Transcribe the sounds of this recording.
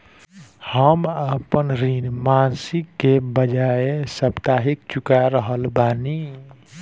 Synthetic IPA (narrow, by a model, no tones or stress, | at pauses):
həməpənɾiːnmaːnsɪkːebəd͡ʒaːesəbt̪aːɦɪkt͡ʃʊkaɾəɦəlbaːni